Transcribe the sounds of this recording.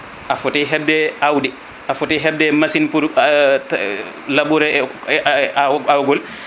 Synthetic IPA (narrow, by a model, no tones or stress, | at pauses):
ʔafutiɦɛbdɛawdi | ʔafutiɦɛbdɛmasinpuɾ | labuɾɛ | aawɡɔl